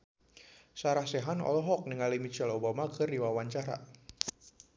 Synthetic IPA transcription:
saɾahsɛɦanɔ̰lɔɦɔk̚nəŋalimit͡ʃalobamakʰɨrdiwawaɲt͡ʃaɾa̰

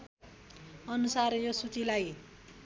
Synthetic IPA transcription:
ʌnusarjosut͡silaj

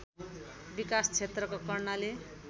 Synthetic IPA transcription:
bikast͡sʰet̪rʌkokʌrnale

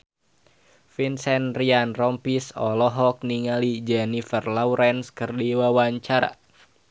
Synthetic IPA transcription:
finsɛnrianrɔmpisɔ̰lɔɦɔk̚niŋalid͡ʒɛnifərlauɾɛnskɨrdiwawaɲt͡ʃaɾa̰

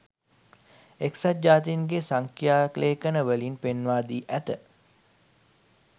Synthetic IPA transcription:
eksat̪̚d͡ʒaːt̪iŋɡesaŋkjaːkleːkənəʋəlinpenʋaːd̪iːʔæt̪ə

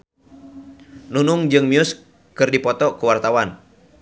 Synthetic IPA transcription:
nunuŋd͡ʒɨŋmius | kɨrdipɔt̪ɔkuwart̪awan

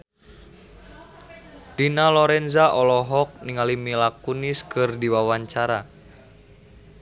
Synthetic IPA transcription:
dinalɔɾɛnzaʔɔlɔɦɔk̚niŋalimilakuniskɨrdiwawaɲt͡ʃaɾa

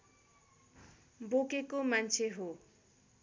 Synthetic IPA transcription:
bokekomant͡sʰeɦo

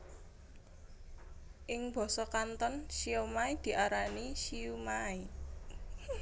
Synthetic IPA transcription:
ʔɪŋb̥ɔ̤sɔkant̪ɔnʃiomaid̪̥i̤ʔaɾaniʃiumai

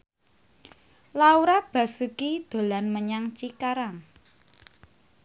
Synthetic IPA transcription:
lauɾab̥a̤sukid̪̥o̤lanməɲaŋt͡ʃikaɾaŋ

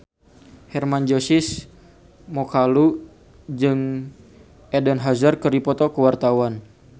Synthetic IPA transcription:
hɛrmand͡ʒɔsɪs | mɔkalu | d͡ʒɨŋ | ɛdɛnɦazarkəɾipɔt̪ɔkəwart̪awan

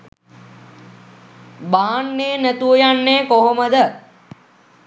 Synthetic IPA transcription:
baːanːeːnæt̪uʋojanːeːkoɦoməd̪ə

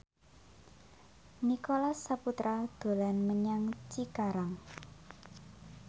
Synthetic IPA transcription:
nikolasːaput̪ɾad̪̥o̤lanməɲaŋt͡ʃikaɾaŋ

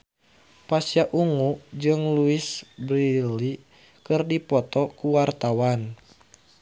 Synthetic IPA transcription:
pasijaʔuŋud͡ʒɨŋluisbɾili | kɨrdipɔt̪ɔkuwart̪awan

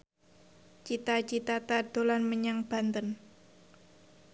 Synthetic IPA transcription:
t͡ʃit̪at͡ʃit̪at̪ad̪̥o̤lanməɲaŋb̥a̤nt̪ən

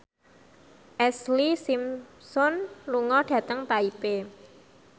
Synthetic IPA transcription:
ʔɛslisimsɔnluŋɔɖ̥ä̤t̪əŋt̪aipe

